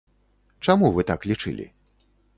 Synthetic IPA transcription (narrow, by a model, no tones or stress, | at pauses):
t͡ʂamuvɨt̪aklʲit͡ʂɨ̰lʲḭ